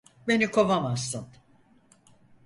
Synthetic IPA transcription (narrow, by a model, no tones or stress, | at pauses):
be̞nikʰo̞vamasːɯn